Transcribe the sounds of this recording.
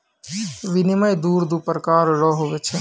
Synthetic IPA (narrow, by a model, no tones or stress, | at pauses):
ʋinimɐjd̪uːɾd̪upəɾkaːɾɾɔɦoʋet͡ʃʰe